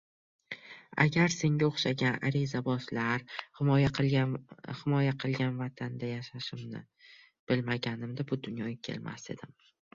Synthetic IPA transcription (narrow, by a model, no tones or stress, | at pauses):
a̰ɡʲaɾse̞ŋɡʲaoχʃaɡʲana̰ɾɪzabɒslaɾhɪmɒjaq | hɪmɒjaqʰɨlˠɡʲanvat̪ʰand̪ajaʃaʃɪmnɪ̰ | b̥ɪlmaɡʲanɪmd̪ɪbʊd̪ʊnjɒɡʲakʲʰe̞̰lma̰se̞̰d̪ɪm